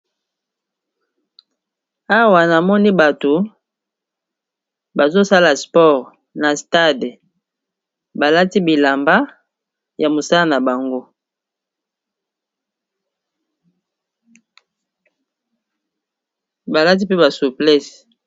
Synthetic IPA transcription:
a˦wa˨na˨mɔ˦ni˦ba˨to˨ | ba˨zo˦sa˦la˨spɔ˦˨ʁ | na˨sta˦˨d | ba˨la˦ti˦bi˨la˨mba˦ | ja˨mo˨sa˦la˦na˨ba˨ŋɡo˦ | ba˨la˦t̬i˦pe˦ba˨su˨plɛ˦s

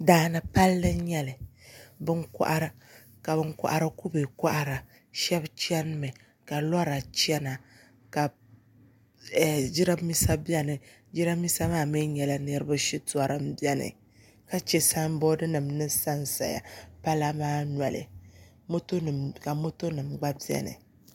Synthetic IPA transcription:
daː˨˦na˨pa˦lːɨ˦ɲɛ˦lɨ˨bɨ˦ŋkɔ̰˦ʔa˦ɾ | ka˨bɨ˦ŋkʊ̰˦ʔa˦ɾɨ˦ku˦be˨kɔ˦ʔa˦ɾa˨ | ʃɛ˦bt͡ʃɛ˦n˦mɛ˨ | ka˨lɔ˦ɾa˨t͡ʃɛ˦na˨ | ka˨ | d͡ʒi˦ɾa˦mi˦sa˦bjɛ˦nɨ˨ | d͡ʒi˦ɾa˦mi˦sa˦maː˦˨mɨ˦ɲɛ˨la˦nɨ˦ɾɨ˦ba˦ʃi˦tu˨a˨ɾɨ˦mbi˦ɛ˦nɨ̰˨ | ka˦t͡ʃɛ˨sa˦m˦bɔ˦dɨ˦nɨ˨mnɨ˦sa˦nsa̰˨ja̰˨pa˦la˦maː˦nʷ˨a˨lɨ̰˨ | mo˦to˦ɨ˨ka˨mo˦to˦nɨ˨mɡ͡ba˦bi˦ɛ̰˦nɨ̰˨

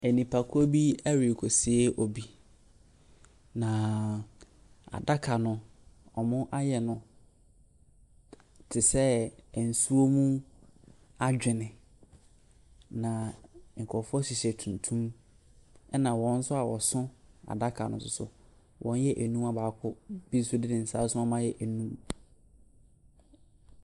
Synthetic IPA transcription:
æ˨nĩ˨pʰa˨kʰʊ˦o˦bi˦a˦ɾi˨kʰo˨si˨e˦ʔɔ˨bi˦ | nã˨ | a̰˨da˦kʰa˨nʊ̃˨ | ɔ˨mʊ̃˦ʔa˦jɛ˨nʊ̃˨ | tʰɪ˨sɛ˦˨n̩˨su˦o˦mũ˦ | a˦d͡ʑᶣɪ˨nɪ̃˨ | nã˨ŋ̩˨kʰɔ˨fɔ˦si˨ɕɛ˨tʰũ˨ntʰũ˦m | ɛ˦nã˨wɔ̃˦n̩˦sʊ˦a˨wɔ˨sʊ̃˦a̰˨da˦kʰa̰˨nʊ̃˨sʊ˨sʊ̰˨ | wʔɔ̃˦n˦jɛ˦ʔæ˨nũ˦ma˦baː˨˦kʰʊ˦b̥i˦sʊ˦dɪ˦nɪ̃˨n̩˨saː˦sʊ̃˦ɔ˦mã˦jɛ˦ʔæ˨nũ˦m

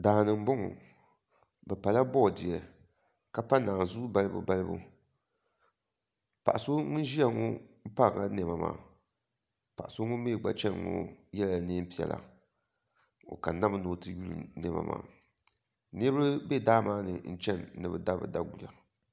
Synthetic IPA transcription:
daː˨nɨ˨m̩˦bʊ˦ŋṵ˨ | bɛ˨pa˨la˦bɔ˦˨di˨ɛ˨ | ka˦pa˦naː˨zu˦ba˦lɨ˦bṵ˨ba˦lɨ˦bṵ˨ | pa˨ʔa˨so˦ŋʊ˦ʒi˦a˦ŋo˦m̩˦pa˦˨ŋa˦nɛ˨ma˨ma̰ː˨ | pa˨ʔso˦ŋʊ˦meː˦˨ɡ͡ba̰˦t͡ʃɛ˦n˨ŋo̰˦jɛ˦la˨ne˦m˦pi˨ɛ̰˨la̰˨ | o̰˨ka˨na˦bɨ˦no˨˦tɨ˦ju˦lɨ̰˨nɛ˨ma̰˨ma̰ː˨ | nɨ˦ɾɨ˦bɛ˦daː˦maː˦nɨ̰˨n̩˦t͡ʃɛ˦nːɨ˨bɨ˨da˦bɨ̰˨da˦ɡu˨la˨

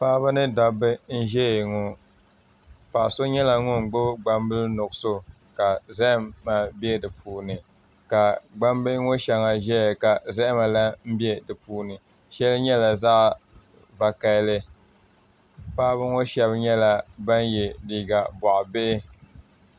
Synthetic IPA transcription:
pa˦ba˦nɨ˦da˨bɨ˦n̩˦ʒɛ˦jŋo˨ | pa˨ʔso˦ɲɛ˦la˨ŋʊ˦ŋ˨ɡ͡bʊ˦bɡ͡ba˦mbɨ˦lnʊ˨ɡso˦ | ka˨zɛ˦ʔɪ˦mːa˨bi˦ɛ˦dɨ˨pʰuː˨nɨ˨ | ka˨ɡ͡ba˦mbɨ˦ŋo˦ʃɛ˨ŋa˨ʒɛ˦˨ka˨zɛ˦ʔma˨la˦m̩˦bi˦ɛ˦dɨ˨puː˦nɨ˨ | ʃɛ˦lɲɛ˦la˨zaː˦ | va˨ka˦lɨ˦ | paː˦bɨ˦ŋo˦ʃɛ˦βɲɛ˦la˦ba˦njɛ˨di˨ɡa˨bɔ˨ʔbe˦ɪ˦

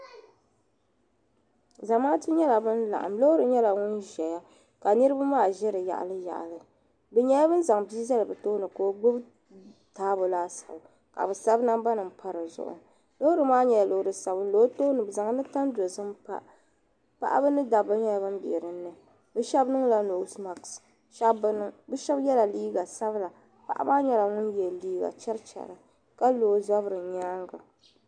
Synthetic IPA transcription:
za˨maː˦tɨ˦ɲɛ˦la˨bɨ˦nla̰˨ʔa̰˨mlo˦ɾɨ˨ɲɛ˦la˨ŋʊ˦nʒɛ˨ja˦ | ka˨nɨ˦ɾɨ˦ba˦maː˦˨ʒɛ˦ɾɨ˨ja̰˨ʔa̰˨lɨ˦ja̰˨ʔa̰˨lɨ˨ | bɨ˨ɲɛ˦ja˦bɨ˦n˦za˨ŋbi˦za˦lɨ˨bɨ˨toː˦nɨ˨ko˦ɡ͡bʊ˦b | taː˦bo˨laː˦sḁ˨b | ka̰˨bɨ˨sa˦bna˦mba˦nɨ˨mpʰa˦ɾɨ˨zʊ̰˨ʔʊ̰˨ | lo˦ʊ˦ɾɨ˨maː˦ɲɛ˨jlo˨hɾɨ˨sa˨bɨ˦n˦lo˦to˦nɨ˨bza˨ŋ˦nɨ˦ta˦ndo˨zɨ˦mpa̰˨ | pa̰˦ʔa̰˦bɨ˦nɨ˦da˨bɨ˦ɲa˦bɨ˦m˦bḭ˨ɾɨ˨nːɨ˨ | bɨ˦ʃɛ˦bnɨ˦ŋla˨no˨˦sma˨ks | ʃa˦bɨ˦ʃɛ˦bjɛ˦la˨liː˦ɡa˨sa˦bla˨ | pa̰˦˨ʔa̰˦baː˦ɲɛ˦la˨ŋʊ˦njɛ˨liː˦ɡa̰˨t͡ʃɛ˦ɾt͡ʃɛ̰˨ɾɨ˨ | ka˦loː˨˦za˦bɾɨ˨ɲaː˦ŋɡa˨

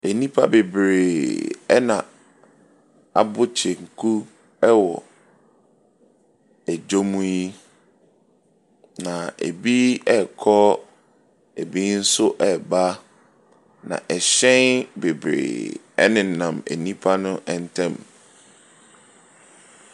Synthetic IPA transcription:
e˨nĩ˦pʰa˦be˨bɾeː˨ɛ˦nã˨ | a˨bʊ˦t͡ɕʰe˨ŋ̩˨kʰu˦ | ɛ˦wɔ˨ | æ˨d͡ʑo˦mũ˦ji˦ | nã˨ḛ˨bi˦ɛ˦kʰɔ˦ | e˨bi˦n̩˦sʊ˦ʔɛ˨ba˦ | nã̰˨ʔɛ˨ɕɛ̃˦nbe˨bɾḛː˨ | ɛ̰˦nɪ̃˨nã˨mḛ˨nĩ˦pʰa˦nʊ̃˦ʔɛ˨n̩˦tʰɛ̃˦˨m

